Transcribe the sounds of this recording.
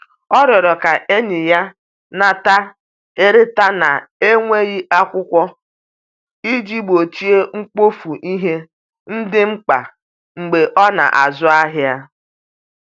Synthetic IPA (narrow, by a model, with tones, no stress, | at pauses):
ɔ˦ɾɔ˨ɾɔ˨ka˨ʔe˦ɲɪ˨ja˦ | na˨ta˦ | e˦ɾɪ˦ta˦na˨e˦ŋʷe˦ɣɪ˦ʔa˦kʷʊ˦kʷɔ˦ | i˦d͡ʒi˦bo˨t͡ʃi˦e˦ŋ͡m̩˦k͡po˦fu˨ʔi˦ɦe˦ | n̩˦dɪ˦ŋ͡m̩˦k͡pa̰˨ | ŋ͡m̩˨ɡ͡be˨ʔɔ˦na̰˨ʔa˨zʊ˦a˦ɦɪ˦a˦